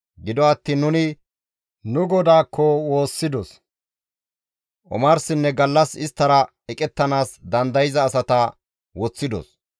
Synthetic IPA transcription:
ɡɪd̪ɔɐt̪ːiːnːʊnɪ | nʊɡɔd̪aːkʰːɔwo̞ːsːɪd̪ɔs | ʔɔ̰maɾsɪnːɛɡɐlːɐsɪst̪ːɐɾɐ | ɛkʼɛt̪ːɐnaːsd̪ɐnd̪ɐjɪzɐːsɐt̪ɐ | wɔt͡sːɪd̪ɔ̰s

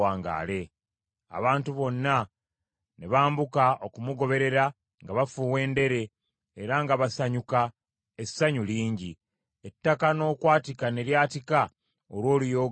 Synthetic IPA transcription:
aːŋɡa̰ːle̞ | a̰βaːntuβo̞nːa | ne̞βaːmbukaʔo̞kumuɡo̞βe̞ɾe̞ɾa | ŋɡaβafuwe̞ːnde̞ɾe̞ː | ɾaŋɡaβasaɲuka | esaɲuliːɲɟi | etːakano̞ːkwaːtikane̞ljaːtika | olwo̞ːlijo̞ː

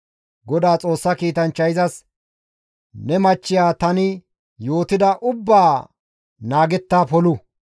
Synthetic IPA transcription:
ɡɔd̪aːt͡sʼo̞ːsːɐkiːt̪ɐnt͡ʃːɐjɪzɐs | nɛmɐt͡ʃːɪjaːt̪ɐnɪ | jo̞ːt̪ɪd̪ɐʔʊbːaː | naːɡɛt̪ːaːpɔlʊ

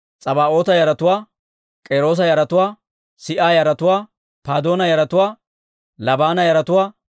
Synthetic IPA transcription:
t͡sʼɐbaːʔo̞ːt̪ɐjɐɾɐt̪ʊwaː | kʼeːɾo̞ːs̬ɐjɐɾɐt̪ʊwaː | sɪʔaːjɐɾɐt̪ʊwaː | paːd̪o̞ːnɐjɐɾɐt̪ʊwaː | lɐbaːnɐjɐɾɐt̪ʊwaː

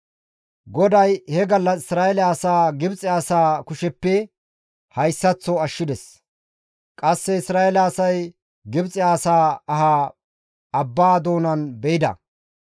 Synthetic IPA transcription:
ɡɔd̪ɐjhɛɡɐlːɐsɪsɾaːɛlɪaːsaːɡɪbt͡sʼɪaːsaːkʊʃɛpːɛ | hɐjsːɐt͡sːɔɐʃːɪd̪ɛs | kʼɐsːɛɪsɾaːɛlaːsɐj | ɡɪbt͡sʼɪaːsaːɐɦaː | ɐbːaːd̪o̞ːnɐnbɛʔɪd̪ɐ̰

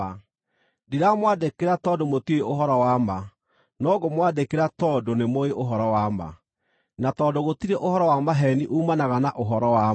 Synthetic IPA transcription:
a | diɾamwadekeɾatɔdomotieoɦɔɾɔwama | nɔɡomwadekeɾatɔdonemoeʔoɦɔɾɔwama̰ | natɔdoɣotiɾeʔohɔɾɔwamaɦɛniʔuːmanaɣanaʔoɦɔɾɔwa

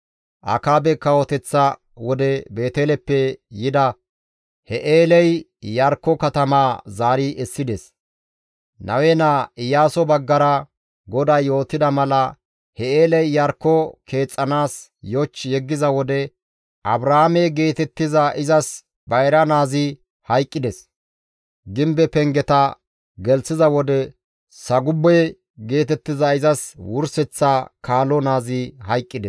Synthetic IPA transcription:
ʔɐ̰kaːbɛkːɐwɔt̪ɛt͡sːɐ | wɔd̪ɛbe̞ːt̪eːlɛpːɛjɪd̪ɐ | hɛʔeːlɛj | jɐɾkːɔkɐt̪ɐmaːzaːɾɪʔɛsːɪd̪ɛs | nɐ̰wɛnaːɪjaːsɔbɐɡːɐɾɐ | ɡɔd̪ajjo̞ːt̪ːɪd̪ɐmɐlɐ | hɛeːlɛjjɐɾkːɔkʰe̞ːt͡sʼːɐnaːsjɔt͡ʃːjɛɡːɪzɐwɔd̪ɛ | ʔɐbɾɐhamɛjɡe̞ːt̪ɛt̪ːɪzɐʔɪzɐs | bɐjɾɐnaːzɪ | hɐjkʼːɪd̪ɛs | ɡɪmbɛpɛŋɡɛt̪ɐ | ɡɛlsɪzɐwɔd̪ɛ | sɐɡʊbːɛj | ɡe̞ːt̪̬ɛt̪ːɪzɐɪzɐswʊɾsɛt͡sːakaːlɔnaːzɪhɐjkʼːɪd̪ɛs

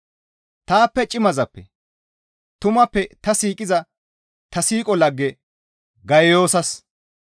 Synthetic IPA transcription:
t̪aːpːɛt͡ʃʼɪmɐzɐpːɛ | t̪ʊmɐpːɛt̪ɐsiːkʼɪzɐ | t̪ɐsiːkʼɔlɐɡːɛ | ɡɐjjo̞ːsɐs

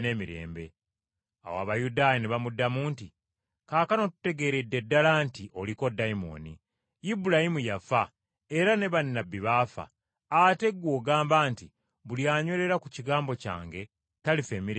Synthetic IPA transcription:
ne̞ːmiɾe̞̰ːmbe̞̰ | a̰wa̰ːβajudaːjaneβamudːamuːnti | kaːkano̞tu̥te̞ɡe̞ːɾedːe̞dːalaːntiʔo̞liko̞daimo̞̰ːnḭ | ibulahimujafa | e̞ɾane̞βanːabːiβaːfa̰ | ate̞ɡːwo̞ːɡaːmbaːnti | βuljaːɲwe̞ɾe̞ɾakuciɡaːmbo̞ca̰ːŋɡe̞ | talife̞ːmiɾ

